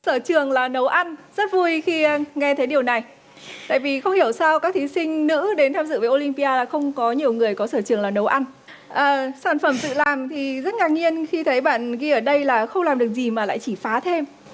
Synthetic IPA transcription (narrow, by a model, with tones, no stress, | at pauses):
səː˧˩t͡ɕɨ˨˩əŋlaː˨˩nə˨˦wʔa˧nzə˦˥t̚vu˧jxi˧ŋɛ˧t̪ʰə˨˦jɗi˨˩əwna˨˩j | t̪a̰ː˧˨jvi˨˩xə˧wŋ͡mhi˧˩əwsaː˧wka˦˥k̚t̪ʰi˨˦sï˧ŋ̟nɨ̰˧˥ɗe˨˦nt̪ʰaː˧mzɨ̰˧˨vəː˨˦jʔo˧li˧mpi˧ʔaː˧laː˨˩xə˧wŋ͡mkɔ˨˦ɲi˨˩əwŋɨ˨˩əjkɔ˨˦səː˧˩t͡ɕɨ˨˩əŋlaː˨˩nə˨˦wʔa˧n | ʔəː˨˩saː˧˩nfə˧˩mzɨ̰˧˨laː˨˩mt̪ʰi˨˩zə˦˥t̚ŋaː˨˩k̚ɲi˧ənxi˧t̪ʰə˨˦jɓa̰ː˧˨nɣi˧ʔəː˧˩ɗə˧jlaː˨˩xə˧wŋ͡mlaː˨˩mɗɨ˨˩ək̚zi˨˩maː˨˩la̰ː˧˨jt͡ɕi˧˩faː˨˦t̪ʰe˧m